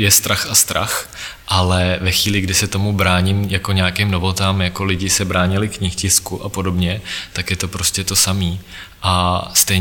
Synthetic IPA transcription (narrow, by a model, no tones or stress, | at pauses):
jɛst̪ɾaxast̪ɾa̰x | ʔalɛvɛxviːlɪɡdɪsɛt̪o̞mubɾaːɲɪmjako̞ɲɛakɪmnovo̞t̪aːmjako̞lɪɟɪsɛbɾaːɲɪlɪkɲɪxcɪskuʔapo̞do̞bɲɛt̪akjɛt̪o̞pɾo̞scɛt̪o̞samiː | ʔast̪ɛj